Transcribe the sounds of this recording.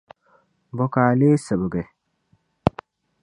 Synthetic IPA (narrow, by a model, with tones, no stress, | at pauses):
bɔ˨kaː˨le˦sə˨bə˨ɡe˨